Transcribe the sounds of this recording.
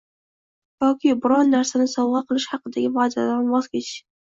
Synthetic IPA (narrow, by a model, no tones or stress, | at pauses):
j̪ɒkʲɪbʊɾɒnːaɾsanɪsɒwʁɑqʰɨlˠɪʃhɑqɨd̪aɡʲɪbad̪a̰d̪anbɒzkʲet͡ʃ